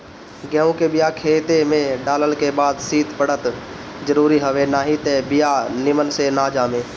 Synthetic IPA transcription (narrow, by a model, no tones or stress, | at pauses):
ɡɛːũkebɪjakʰeːt̪emẽɖaːləlkebaːd̪siːt̪pəɽ̤ət̪ | d͡ʒəɾuːɾiɦəʋenaːɦit̪ebɪjanɪmənsenaːd͡ʒaːmẽː